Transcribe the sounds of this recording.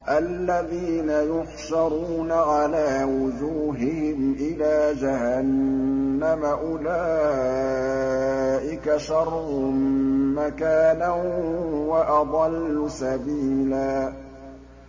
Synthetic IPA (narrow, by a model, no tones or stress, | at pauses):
ʔalːaðiːnajʊħʃɑɾˤuːnaʕalaːwʊd͡ʒuːɦɪhɪmʔɪlaːd͡ʒaɦanː | amaʔʊlaː | ʔɪkaʃɑɾˤʊmːakaːna | waʔɑd̪ˤɑlːʊsabiːlaː